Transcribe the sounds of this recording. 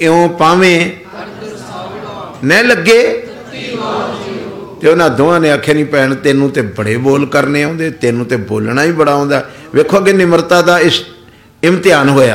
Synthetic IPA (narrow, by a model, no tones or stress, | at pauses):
eõːpaːʋẽː | nɛ̃ːləɡːeː | t̪eoːnãːd̪oːãːnẽːəkʰːaːnĩːpɛːɳt̪eːnũːt̪eːbəɽeːboːlkəɾneːõːnd̪eːt̪eːnũːt̪eːbo̰ːlɳaːiːbəɽaːɦõːnd̪aːʋeːkʰaːɡeːnɪməɾt̪aːd̪aːɪs | ɪmt̪ɪjaːnɦoːja̰ː